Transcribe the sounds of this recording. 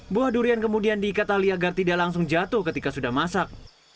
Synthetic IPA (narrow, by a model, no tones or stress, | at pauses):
buahduɾiankəmudiandiːkat̪aliaɡart̪idaʔlaŋsʊŋd͡ʒat̪ʊhkət̪ikasudahmasak̚